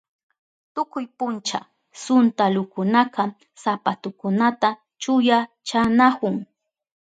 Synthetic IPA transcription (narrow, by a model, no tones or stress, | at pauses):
t̪ʊkʊjpʊnt͡ʃa̰ | sʊnt̪alʊkʊnaqɑ | sapat̪ʊkʊnat̪a | t͡ʃʊja | t͡ʃanakʊŋ